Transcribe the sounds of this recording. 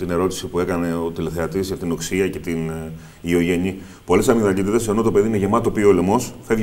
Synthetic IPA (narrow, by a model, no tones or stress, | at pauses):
t̪ine̞ɾo̞t̪i̥sipue̞kɐne̞o̞t̪ile̞θe̞ɐt̪iset̪ino̞ksiɐce̞t̪in | io̞ʝe̞ni | po̞le̞sɐmiðɐcit̪iðese̞no̞t̪ope̞ðineʝe̞mɐt̪opiolemo̞sfeɣ